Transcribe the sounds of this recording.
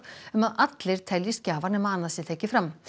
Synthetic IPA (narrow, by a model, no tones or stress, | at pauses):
mɑʔɑt̪ləɾt̪ʰɛljəskɑːʋɑnəmɑnɑsit̪ʰɛkːəfɾɑm